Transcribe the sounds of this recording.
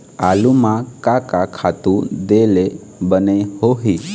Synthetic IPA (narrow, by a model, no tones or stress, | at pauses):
alumãkakakʰat̪ũd̪ele | bənehoɦi